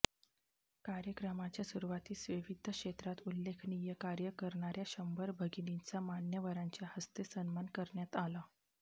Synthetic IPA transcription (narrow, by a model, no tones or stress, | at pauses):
kaɾjəkɾəmat͡ɕjasuɾuʋat̪iːsʋiʋid̪ʱːəkʂet̪ɾat̪ulːekʰnijəkaɾjəkəɾɳaɾjaɕəmbəɾbʱəɡinint͡samanjəʋəɾaɲt͡ɕjahəst̪esənmankəɾɳjat̪ala